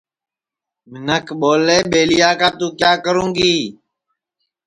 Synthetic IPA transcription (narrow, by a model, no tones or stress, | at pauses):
mɪnəkʰɓoːleːɓeːlɪjaːkãːt̪ũːkjaːkəɾũːŋɡiː